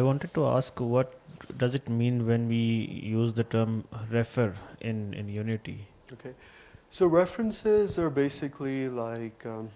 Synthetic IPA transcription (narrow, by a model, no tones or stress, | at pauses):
aɪʋɔ̃ːɳʈəɖ̚ʈua̰ːskʋɔʈ̚ɖɐzɪʈmĩːnʋɛ̃nʋiːjuːzd̪əʈəːɾmɾɛfəɾɪ̰̃nɪ̰̃njuːnɪʈḭ | okʰe | soʊɹɛfɹə̃nsɪzəɹbeɪsɪkʰlilaɪk